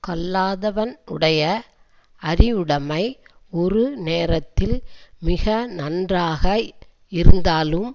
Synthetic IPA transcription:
kɐlːaːðɐʋɐnʊ̰ɽɐjɐ | ɐɾɪɯɽɐmɐɪɔɾɯneːɾɐt̪ːɪlmɪɣɐnɐndraːɣɐ | ɪɾɯnd̪aːlɯm

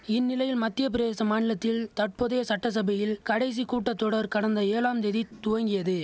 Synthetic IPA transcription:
ɪnːɪlɐjɪlmɐt̪ːɪjɐp̬ɪɾeːsɐmaːnɪlɐt̪ːɪlt̪ɐʈ̚pɔðɐjɐsɐʈːɐs̬ɐbɐjɪlkɐɽɐɪs̬ikuːʈːɐt̪ːɔɽɐɾkɐɽɐnd̪ɐeːlaːmd̪eðit̪ʊʋɐŋɡɪjɐðɯ

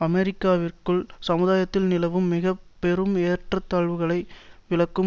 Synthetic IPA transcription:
ɐmɛɾɪkːaːʋɪrkɯɭsɐmɯðaːjɐt̪ːɪlnɪlɐʋɯmːɪɣɐpːɛɾɯmeːrʈrɐt̪ːaːɻʋɯɣɐɭɐɪʋɪlɐkːɯ

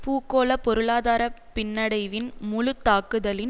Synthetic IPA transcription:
puːkoːlɐpɔɾɯɭaːðaːɾɐpɪnːɐɽɐɪʋɪnmʊlʊt̪ːaːkɯðɐlɪn

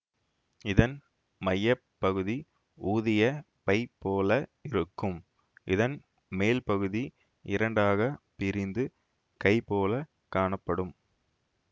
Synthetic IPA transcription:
ɪðɐn | mɐjːɐpːɐɣɯði | uːðɪjɐ | pɐɪpːoːlɐɪɾɯkːɯm | ʔɪðɐn | meːlpɐɣɯði | ɪɾɐɳɖaːɣɐpɪɾɪnd̪ɯ | kɐɪpoːlɐ | kaːɳɐpːɐɽɯm

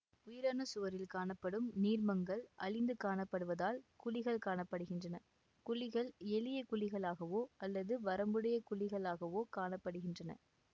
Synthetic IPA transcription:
ʊjɪɾaːnɐsʊʋɐɾɪlkaːɳɐpːɐɽɯmniːɾmɐŋɡɐɭʔɐɭɪnd̪ɯkaːɳɐpːɐɽɯʋɐðaːlkʊɭɪɣɐɭkaːɳɐpːɐɽɯɣɪndrɐnɐ | kʊɭɪɣɐɭɛlɪjɐkʊɭɪɣɐɭaːɣɐʋoːɐlːɐðɯʋɐɾɐmbɯɽɐjɐkʊɭɪɣɐɭaːɣɐʋoːkaːɳɐpːɐɽɯɣɪndrɐnɐ̰

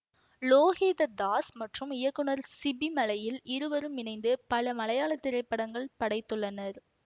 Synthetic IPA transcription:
loːɣeːðɐd̪aːsmɐʈrɯmɪjɐkːɯɳɐɾsɪbimɐlɐjɪlɪɾɯʋɐɾɯmɪnɐɪnd̪ɯpɐlɐmɐlɐjaːɭɐt̪ːɪɾɐɪpːɐɽɐŋɡɐɭpɐɽɐɪt̪ːɯɭːɐnɐɾ

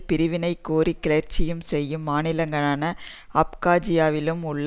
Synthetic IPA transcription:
pɪɾɯʋɪnɐɪkːoːɾikːɪɭɐɾt͡ʃːɪjɯmsɛjːɯmːaːnɪlɐŋɡɐɭaːnɐ | ɐp̚kaːd͡ʒɪjaːʋɪlɯmʊɭː

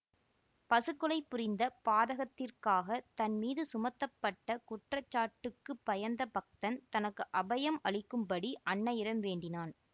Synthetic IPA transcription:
pɐsɯkːɯlɐɪpːʊɾɪnd̪ɐpaːðɐɣɐt̪ːɪrkaːɣɐt̪ɐnmiːðɯsʊmɐt̪ːɐpːɐʈːɐkʊʈrɐt͡ʃːaːʈːɯkːɯpːɐjɐɾnd̪ɐpɐk̚t̪ɐnt̪ɐnɐkːɯʔɐbɐjɐmɐɭɪkːɯmpɐɽiʔɐɳːɐɪɽɐmʋeːɳɖɪnaːn

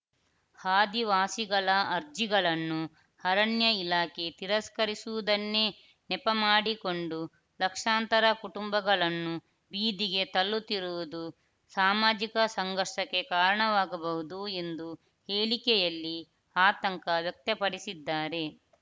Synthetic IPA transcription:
haːd̪iʋaːsiɡɐɭɐɐɾd͡ʒiɡɐɭɐnːu | hɐɾɐɳjɐilaːke̞t̪iɾɐskɐɾisuʋud̪ɐnːeː | nɛpɐmaːɽiko̞ɳɖu | lɐkʂaːnt̪ɐɾɐkuʈumbɐɡɐɭɐnːu | biːd̪iɡe̞t̪ɐlːut̪iɾuʋud̪u | saːmaːd͡ʒikɐsɐŋɡɐɾʂɐkːe̞kaːɾɐɳɐʋaːɡɐbɐɦud̪ue̞nd̪u | heːɭikɛjɐlːi | aːt̪ɐŋkɐʋjɐk̚t̪ɐpɐɽisid̪ːaːɾe̞

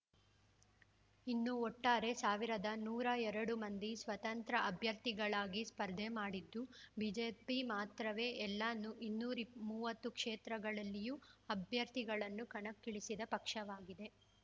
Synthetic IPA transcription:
inːuɔʈːaːɾe̞saːʋiɾɐd̪ɐnuːɾɐɛɾɐɽumɐnd̪isʋɐt̪ɐnt̪ɾɐʔɐbʱjɐɾt̪iɡɐɭaːɡispɐɾd̪ʱemaːɽid̪ːubiːd͡ʒeːpimaːt̪ɾɐʋe̞ːʔɛlːaːnːuʔinːuːɾimuːʋɐt̪ːukʂeːt̪ɾɐɡɐɭɐlːijuɐbʱjɐɾt̪iɡɐɭɐnːukɐɳɐkːiɭisid̪ɐpɐkʂɐʋaːɡid̪e̞

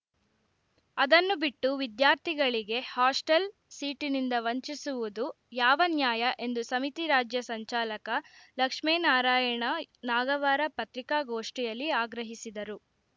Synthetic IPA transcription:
ɐd̪ɐnːubiʈːuʋid̪jaːɾt̪ʰiɡɐɭiɡe̞haːsʈɐl | siːʈinind̪ɐʋɐɲt͡ʃisuʋud̪u | jaːʋɐnjaːjɐʔe̞nd̪usɐmit̪iɾaːd͡ʒjɐsɐɲt͡ʃaːlɐkɐlɐkʂmɛːnaːɾaːjɐɳɐnaːɡɐʋaːɾɐpɐt̪ɾikaːɡoːʂʈijɐlːiaːɡɾɐɦisid̪ɐɾu

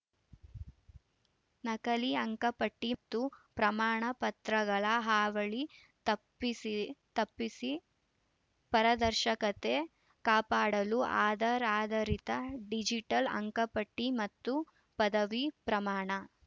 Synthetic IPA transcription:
nɐkɐliɐŋkɐpɐʈːit̪ːupɾɐmaːɳɐpɐt̪ɾɐɡɐɭɐɦaːʋɐɭi | t̪ɐpːisit̪ɐpːisi | pɐɾɐd̪ɐɾʃɐkɐt̪e | kaːpaːɽɐluaːd̪ɐɾaːd̪ɐɾit̪ɐɖid͡ʒiʈɐlɐ̰ŋkɐpɐʈːimɐt̪ːu | pɐd̪ɐʋipɾɐmaːɳɐ

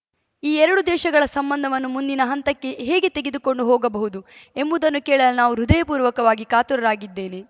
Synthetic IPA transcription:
iːɛɾɐɽud̪ɛːʃɐɡɐɭɐsɐmbɐnd̪ʱɐʋɐnːumund̪inɐɦɐnt̪ɐkːe̞ɦeːɡe̞t̪eɡed̪uko̞ɳɖuɦɔːɡɐbɐɦud̪ue̞mbud̪ɐnːukɛːɭɐlnaːʋuɾud̪ejɐpuːɾʋɐkɐʋaːɡikaːt̪uɾɐɾaːɡid̪ːe̞ːne̞

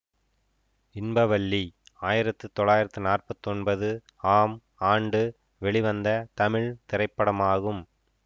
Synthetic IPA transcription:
ɪnbɐʋɐɭːiaːjɪɾɐt̪ːɯt̪ɔɭːaːjɪɾɐt̪ːɯnaːrpɐt̪ːɯɔnbɐðɯ | aːm | aːɳɖɯ | ʋɛɭiʋɐnd̪ɐt̪ɐmɪɭt̪ɪɾɐɪpːɐɽɐmaːɣɯm

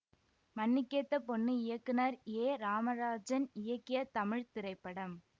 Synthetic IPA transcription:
mɐnːɪkːɐt̪ːɐpɔnːɯɪjɐkːɯnɐɾeːɾaːmɐɾaːd͡ʒɐnɪjɐkːɪjɐt̪ɐmɪɻt̪ɪɾɐɪpːɐɽɐm

